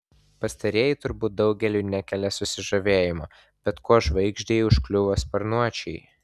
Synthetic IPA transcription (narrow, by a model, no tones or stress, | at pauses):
pɐst̪ɐɾʲeɛjɪt̪ʊɾbuːt̪̚d̪ɒʊɡʲɛlʲuːnʲɛkʲɛlʲɛsʊsʲɪʒɐʋʲeːjɪmo | b̥ʲɛt̪koːʒʋɐɪɡʒʲd̪ʲɛːjʊʃklʲʊʋɐspɐɾnuɔt͡ʃʲɛɪ